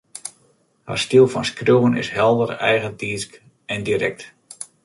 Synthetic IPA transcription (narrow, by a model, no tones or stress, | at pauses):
hə̰rstilˠfɔnskruːənɪ̰sɦɛlˠdərɛjɣəntiːsk | ɛndiɾɛk̚t